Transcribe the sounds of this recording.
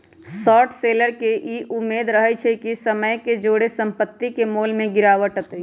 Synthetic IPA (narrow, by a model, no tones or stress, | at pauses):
sɔːʈʰseləɾkeʔiʔumːed̪ɾəɦɛt͡ʃʰɛkisəməjked͡ʒoɽesəmpət̪ːikemolmẽɡiɾaʋəʈət̪